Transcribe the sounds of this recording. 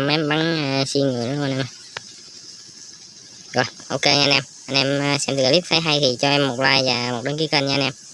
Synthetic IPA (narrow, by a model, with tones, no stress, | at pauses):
mʔɛ˧mɓa˨˦ŋəː˧si˧ŋɨ˨˩˨nː˧˦˧nʔɛ˧m˧˩ | kɔ˨˩ʔo˧ke˧ɲa̰˧nʔɛ˧mʔə˧nɛ˧mə˧sɛ˧mt̪ɨ˨˩ə˦li˦˥t̚tʰaː˨˦jɦa˧jt̪ʰi˨˩t͡ɕɔ˧ʔɛ˧mːo˨˩t̚laː˧jvaː˨˩mo˨˩t̚ɗə˨˦ŋki˨˦kə˧nɲa̰˧nʔɛ˧m